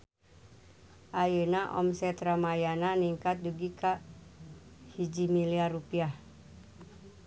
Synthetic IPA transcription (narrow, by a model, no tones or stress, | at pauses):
ʔajənaʔɔ̰msɛt̪ɾamajananiŋkat̪̚duɡika | hid͡ʒimiliarupiah